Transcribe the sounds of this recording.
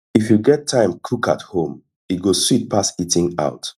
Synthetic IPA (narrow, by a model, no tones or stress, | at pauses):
ifjuɡɛtʰːãɪ̃mkʰuka̰thõm | iɡoswit̚pʰasitĩŋa̰ʊt